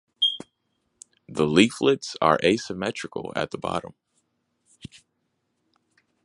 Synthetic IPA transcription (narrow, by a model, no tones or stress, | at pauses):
ðəliflɪtsə̰˞ʔeɪsɨmɛt͡ʃɹ̥ɨkl̩ˠɨ̰t̪̚ðəbɑ̰ɾə̰̃m